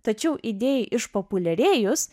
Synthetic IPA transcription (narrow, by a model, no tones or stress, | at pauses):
t̪ɐt͡ʃʲɛʊʔid̪ʲeːjɛʔɪʃpoːpʊlʲɛɾʲeːjʊs